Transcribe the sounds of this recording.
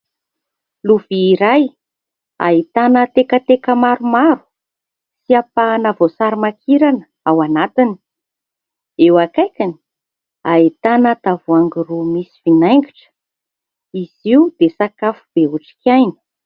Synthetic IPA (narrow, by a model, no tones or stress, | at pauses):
luviːɾaj | a̰it̪anət̪ekət̪ekəmaɾumaɾu̥ | siapanavosaɾimakʰiɾanə̥ | awanat̪ini̥ | ewakajkʲini̥ | ait̪anat̪avuaŋɡirumisi̥vinajŋɡiʈ͡ʂə̥ | iziud̪esakafub̥euʈ͡ʂi̥kʲajnə̥